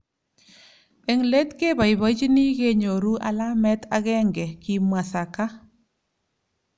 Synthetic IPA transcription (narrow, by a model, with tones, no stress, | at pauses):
e˨ŋle˦t̪ke˦ba˨i˨βɔ˦t͡ʃi˦ni˦ɣe˦ɲo˨ɾu˦ʔa˦la˦mɛ˦t̪a˦ɣɛ˦ŋɡɛ˨ki˨mwa˨sa˨ka˦